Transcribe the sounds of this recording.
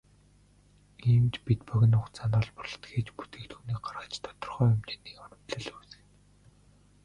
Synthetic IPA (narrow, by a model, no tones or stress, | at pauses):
iːmt͡ɕpit̪pœɣʲɪ̆nʊχt͡sʰanɔːɮpə̆rɮɞ̆t̪ɡeːt͡ɕpu̥t̪eːkt̪xuːniːk̚ɢarʁə̆t͡ɕt̪ʰɔ̥t̪ɞ̆rχœːʊmt͡ɕeːniːkɔnə̥̆t̪ɮə̆ɮuːsɘ̥̆